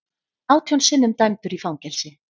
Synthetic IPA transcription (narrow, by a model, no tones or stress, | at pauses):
aːwt̪ʰjɔnsɪnːʏmt̪ajmt̪ʏɾifawŋcɛlsɪ